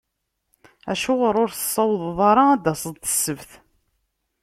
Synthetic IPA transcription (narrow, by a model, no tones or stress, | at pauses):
æ̰ʃʊʁəɾˤʊɾθə̥sˤːɑwðˤðˤɑɾˤɑæd̪æsˤəðˤt̪ə̥sːəvθ